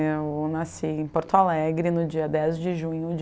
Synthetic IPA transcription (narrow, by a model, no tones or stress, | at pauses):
ewnasiẽpoɾt̪ʊalɛɡɾɪnʊd͡ʒiɐd̪ɛzd͡ʒɪʒũɲʊd͡ʒ